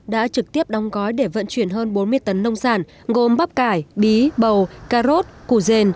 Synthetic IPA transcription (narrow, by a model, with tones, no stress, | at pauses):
ɗa̰ː˧˥t͡ɕɨ˨˩k̚t̪i˦˥əp̚ɗɔ˨˦wŋ͡mɣɔ˨˦jɗe˧˩və̰˧˨nt͡ɕwi˧˩ənɦəː˧nɓo˨˦nmɨ˧əjt̪ə˨˦nːə˧wŋ͡msaː˧˩n | ɣo˨˩mɓa˦˥p̚kaː˧˩jɓi˨˦ɓə˨˩wkaː˧zo˦˥t̚ku˧˩ze˧n